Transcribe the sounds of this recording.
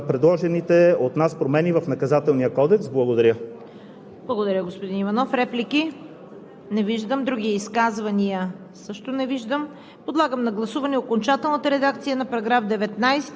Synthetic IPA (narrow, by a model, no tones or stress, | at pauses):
pɾɛd̪lˠɔʒɛnit̪ɛot̪naspɾomɛnivɐfnɐkɐzat̪ɛlˠniəkɔd̪ɛksblˠɐɡod̪ɐɾʲjə | blˠɐɡod̪ɐɾʲəɡospod̪inivɐnɔfɾɛpliki | nɛviʒd̪əmd̪ɾuɡʲiiskazvɐniə | sɤʃt̪onɛviʒd̪əm | pod̪lˠaɡəmnɐɡlˠɐsuvɐnɛokont͡ʃat̪ɛlˠnət̪əɾɛd̪ak̚t̪sijənɐpɐɾɐɡɾafd̪ɛvɛt̪najsɛ̥t̪